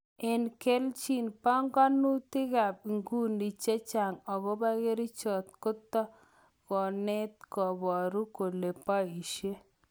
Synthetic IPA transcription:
e˨nke˦lt͡ʃi˦˨npa˦ŋɡɔ˦nu˦t̪ɪ˦ɡa˨bŋɡu˦ndi˨t͡ʃe˦t͡ʃa˨ŋɔ˨ɡo˦ba˦ɡe˦ɾi˦t͡ʃɔ˨t̪̚kʊ˦t̪ːɔ˦ | kɔ˨ne˦t̪̚kɔ˨bɔ˨ɾu˦ko˨le˨pa˦i˨ʃe˦

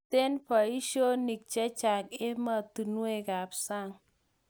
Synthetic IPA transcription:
te˦nfa˨i˦ʃo˦ni˨k̚t͡ʃe˦t͡ʃa˨ke˦ma˦˨tu˨nu˦e˦˨ka˨psa˦˨ŋ

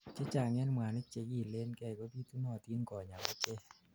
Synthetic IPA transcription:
t͡ʃe˦t͡ʃa˨ŋɛ˦nm˨a˨ne˦t͡ʃe˧˦ki˨le˦nkɛ˧˨kɔ˦pi˦t̪u˦nɔ˧˨t̪i˦nkɔ˨ɲa˨kɔ˦t͡ʃe˦

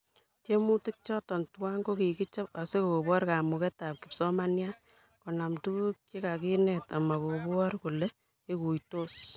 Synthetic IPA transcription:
tje˦mu˦ti˦k̚t͡ʃɔ˦tɔ˨ntwa˦ŋɡo˦ki˨ki˦t͡ʃa˦pa˨se˦ko˨ko˨bɔ˦ɾka˨mu˨kɛ˦ta˨p̚ki˨psɔ˦ma˦nja | kɔ˨na˨mtu˦ɣu˦kki˦ka˨ki˦nɛta˨ma˨kobɔ˦rku˨le˦ | e˦ku˨jto˦s

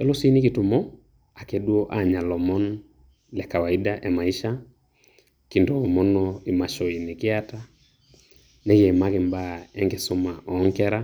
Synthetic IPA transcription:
ɛ˦lo˦si˦ni˦ki˨tu˨mɔ˦ | a˨kɛdwɔ˦ʔa˨ɲa˨lɔmɔ˦n | lɛ˨ka˨waidaʔɛ˨ma˨i˦ʃa | ki˨ndɔmɔ˦nɔi˨maʃɔ˨i˨ne˨kɪ˦ata˦ | nɛ˦ɣɛ˨ma˦ke˨mbaɛ˦ŋɡe˨so˦maʔɔŋkɛɾa

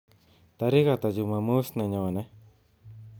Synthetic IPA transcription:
t̪a˨˧ɾi˦ɣa˧˨t̪a˨d͡ʒu˧˨mã˧mũ˦snã˧ɲõ˨nẽ˦

